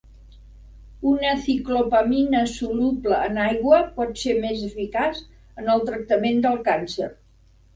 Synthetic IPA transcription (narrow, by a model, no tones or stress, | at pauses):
unəsiklopəminəsulubləːnajɣwəpɔt̪semezəfikas | ənəlˠt̪ɾək̚t̪əmend̪əlˠkansə̰r